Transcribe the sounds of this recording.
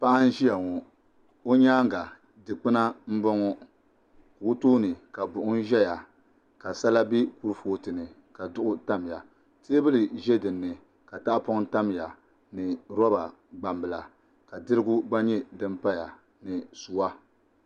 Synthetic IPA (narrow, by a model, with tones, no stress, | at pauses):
pa˦ʔa˦n̩˦ʒi˦ja˨ŋɔ˨ | o˦ɲaː˦ŋɡa˨ | dɨ˨k͡pɨ˦na˦m̩˦bɔ˦ŋɔ˦ | ku˨˦toː˦nɨ˨ka˨bʊ˨ʔʊ˦n˦ʒɛ˦ja˨ | ka˨sa˦la˦bi˦ku˦ɾfoː˦tɨ˨nɨ˨ | ka˨dʊ˦ʔʊ˦ta˦m˨ja˨ | te˦e˦bɨ˦lɨ˨ʒɛ˦dɨ˨nːɨ˨ | ka˨ta˦ʔpɔ˦ŋta˦m˨ja˨ | nɨ˨ɾɔ˦ba˨ | ɡ͡ba˨mbɨ˨la̰˨ | ka˨dɨ˦ɾɨ˦ɡʊ˦ɡ͡ba˦ɲɛ˦dɨ˦mpa˦ja˨ | nɨ˨su˨wa˦